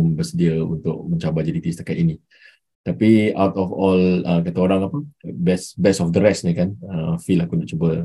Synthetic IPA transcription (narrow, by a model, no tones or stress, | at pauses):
mbərsədiəṵnt̪ʊk̚mə̃ɲt͡ʃabad͡ʒadit̪isət̪akat̪ini | t̪apiawt̪ɔfɔləkat̪aoɾaŋapəbɛsbɛsɔfd̪əɾɛsɲəkanəfilakunaʔt͡ʃubə